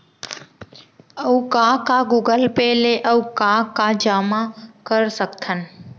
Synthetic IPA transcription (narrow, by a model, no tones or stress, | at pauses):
əukãkaɡuːɡəlpɛːleʔəʋkãkad͡ʒaːmakəɾsəkt̪ʰən